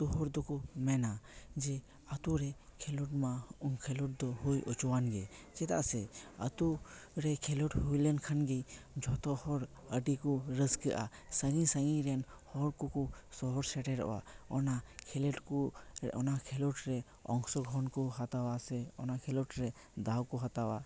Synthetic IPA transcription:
t̪uɦɔɾd̪ɔkumɛnad͡ʒɛ | at̪uɾɛkʰɛlɔʈmaɔŋkʰɛlɔʈ̚d̪ɔɦojʔɔt͡ʃɔwanɡɛd͡ʒɛt̪a̰ʔsɛə̰t̪uɾɛkʰɛlɔʈhujlɛnkʰanɡɛjd͡ʒɔt̪ɔhɔɾ | əʈikuɾəskəʔa̰səŋisəŋĩɾɛnhɔɾkukusɔɦɔɾsɛʈɛɾɔ̰ʔwa̰ɔnakʰɛleʈkuɔ̰nakʰɛlɔʈɾɛ | ɔ̰̃ŋksɔɡʱɦɔnkɔhat̪awasɛɔ̰nakʰɛlɔʈɾɛ | d̪awkuɦat̪awa

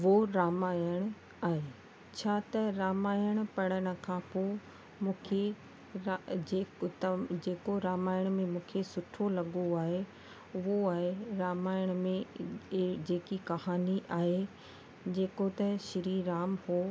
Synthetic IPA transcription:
ʋoɾaːmaːjəɽ̃ | aːɦe | t͡ɕʰaːt̪ɐɾaːmaːjəɽ̃̆pɐɽ̃əɽ̃ə̆kʰãːpoː | mũːkʰe | ɾad͡ʑeːt̪ɐd͡ʑeːkoɾaːmaːjəɽ̃mẽmũːkʰesʊʈʰolɐɠoaːɦe | ʊɦoaːɦeɾaːmaːjəɽ̃mẽ | d͡ʑeːkikɐɦaːniʔaːɦe | d͡ʑeːkot̪ɐʃɪɾiːɾaːmhoː

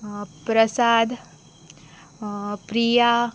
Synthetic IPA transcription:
pɾəsaːd̪ | pɾija

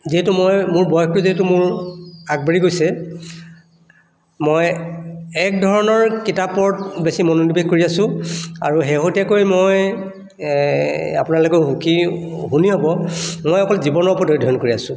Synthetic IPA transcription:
ziɦɛtumojmʊɹbɔjɔktuziɦɛtumʊɹaɡ̚baɹiɡojsɛ | moj | ɛkdʱɔɹɔnɔɹkitapːɔɹtbesimɔnonibeɡkoɹiasʊ̃a̰ɹuɦeɦotakojmoj | a̰pʊnalokɔɦukiɦuniɦɔbɔmojɔkɔlzibɔnɔɹpɔdoɹidʱɔjɔnkoɹiasʊ̃

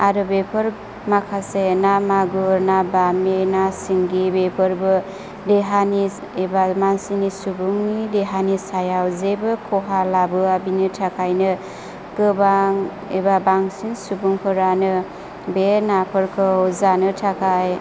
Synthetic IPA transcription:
aɾubepʰɯɾ | makʰasenamaɡuɾnabamenasiŋɡibepʰɯɾbɯ | deɦani | ebamansinisubuŋnideɦanisajawzebɯkʰɔɦalabɯabinɯtʰakʰajnɯ | kɯbaŋ | ebabaŋsiŋsubuŋkʰɯɾanɯ | benapʰɯɾkʰɯwzanɯtʰakʰaj

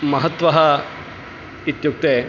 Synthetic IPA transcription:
mɐɦɐt̪ʋɐɦɐ | it̪juk̚t̪eː

